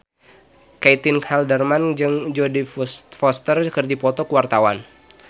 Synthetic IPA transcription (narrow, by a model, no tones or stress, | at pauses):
kait̪inkʰaldərmand͡ʒɨŋd͡ʒɔdifɔst̪ərkərdipɔt̪ɔkəwart̪awan